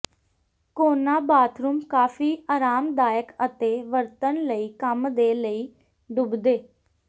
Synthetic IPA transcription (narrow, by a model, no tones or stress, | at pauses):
koːnaːbaːt̪ʰɾuːmkaːfʰiːaːɾaːmd̪aːjəkət̪eːʋəɾt̪ənləiːkəmd̪eːləiː | ɖʊbd̪eː